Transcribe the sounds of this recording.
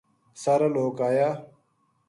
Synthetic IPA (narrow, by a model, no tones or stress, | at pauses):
sɐɾɐloːkaːjaː